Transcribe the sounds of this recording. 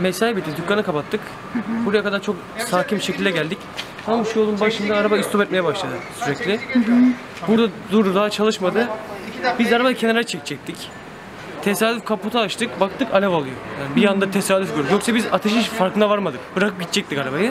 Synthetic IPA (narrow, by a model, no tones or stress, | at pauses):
mesaibit̪ʰːid̪ycːanɯkʰapat̪ʰːɯk | buɾajakʰad̪aɾt͡ʃʰo̞k | saːcʰimʃecʰilʲd̪ɛɟælʲd̪ic̪ | anuʃujolˠumbaʃɯnd̪aːɾabaist̪opɛt̪mejɛbaʃlˠad̪ɯsyɾɛclʲɪ | buɾd̪ad̪uɾd̪ud̪aɦat͡ʃʰalˠɯʃmad̪ɯbizaɾabajɯcʰe̞naɾɾt͡ʃʰɛct͡ʃʰɛc̚t̪ʰic | t̪ʰe̞saːd̪yfkʰaput̪ʰaːʃt̪ɯkbak̚t̪ʰɯkalʲavalˠɯjojaːnibijand̪at̪ʰesaːlyfɟøɾd̪ikjo̞ksɛbizat̪ʰeʃiʃfaɾkʰɯnd̪avaɾmad̪ɯkbɯɾakɯp̚ɟit̪̚t͡ʃʰɛc̚t̪ːikaɾabajɯ